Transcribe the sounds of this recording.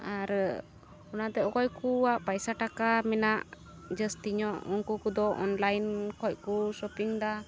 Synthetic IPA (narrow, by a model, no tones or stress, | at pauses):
aɾ | ɔnat̪ɛɔkɔjkuwaʔpajsaʈakamɛnaʔ | d͡ʒəst̪iɲɔʔɔnkukud̪ɔʔɔnlajnkʰɔc̚ˀkusɔpiŋd̪a